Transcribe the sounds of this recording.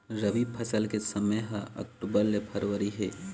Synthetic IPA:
ɾɐʋipʰɐsəlkesɐməjɦaʔɐ̰k̚ʈubəlːepʰɐɾʋəɾiɦeː

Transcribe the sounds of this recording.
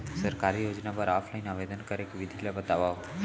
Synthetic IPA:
səɾkaɾijod͡ʒnapəɾaːpʰlaɪnaʋed̪ənkəɾekʋid̪ʱilabət̪aʋa

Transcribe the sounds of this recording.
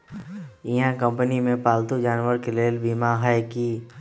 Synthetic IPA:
ɪɦãkə̃mpənimẽpaːlt̪ud͡ʒaːnwəɾkeleːlbiːmaɦɛki

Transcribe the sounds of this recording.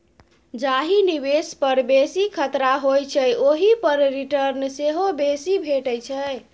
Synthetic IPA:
d͡ʒaɦinibespəɾbesikʰət̪ɾaɦojt͡ʃʰəjʔoɦipəɾɾiʈəɾnseɦobesibʱeʈəjt͡ʃʰəj

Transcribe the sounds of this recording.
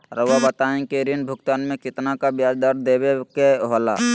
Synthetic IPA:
ɾəʋabət̪aːẽkeɾinbʱʊkt̪aːnmẽkɪt̪nakabjaːd͡ʒd̪əɾd̪eːbekeɦola̰

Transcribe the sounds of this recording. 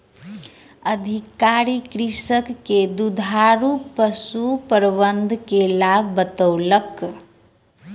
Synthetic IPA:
əd̪ʱikaɾikɾisəkːed̪ud̪ʱaɾupəsupəɾbənd̪ʱkelabʱbət̪əwlək

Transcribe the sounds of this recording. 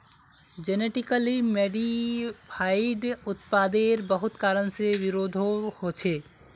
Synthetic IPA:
d͡ʒeneʈɪkəlimeːɖipʰaːɪɖʊt̪paːd̪eɾbəɦʊt̪kaːɾənseʋɪɾoːd̪ʱohot͡ʃʰeː

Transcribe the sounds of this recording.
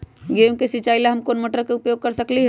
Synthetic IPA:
ɡejũkesit͡ʃaːilaɦɐmkoːnməʈəɾkeʊpjoːɡ̚kɐɾsɐkliɦɛ

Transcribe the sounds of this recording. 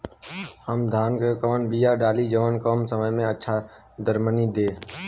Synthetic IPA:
həmd̪ʱaːnkekəʋənbiːjaːɖaːliːd͡ʒəʋənkoːmsəməjmẽːətːʃʰaː | d̪əɾməniːd̪eː

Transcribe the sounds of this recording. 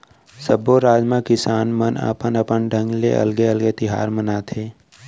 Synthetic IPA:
səboɾaːd͡ʒmãkɪsaːnmənə̰pənəpənɖʱə̃ŋɡlḛʔɐ̰lɡeəlɡet̪ɪɦa̰ːɾmənaːt̪ʰeː

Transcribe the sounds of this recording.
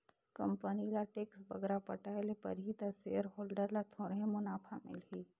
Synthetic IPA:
kɐ̰̃mpənilaʈeːksbɐɡɾapɐʈaelepɐ̰ɾɦit̪ɐseəɾɦoːlɖəɾlat̪ʰoːɾɦẽmʊnaːfʰamɪ̰lɦiː

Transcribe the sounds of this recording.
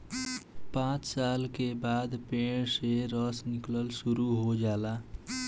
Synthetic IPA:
pãːt͡ʃsaːlkebaːd̪peːɽ̃seɾəsnɪkləlsuɾuɦod͡ʒaːla

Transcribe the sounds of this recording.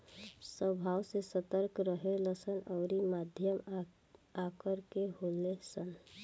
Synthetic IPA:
səbʱawsesət̪əɾkɾəɦeləsənɔʊɾimad̪ʱjəm | akəɾkeɦolesən

